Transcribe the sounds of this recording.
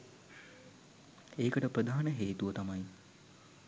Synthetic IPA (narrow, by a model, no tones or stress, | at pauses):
eːkəʈəpɾəd̪ʱaːnəɦeːt̪uʋət̪amaj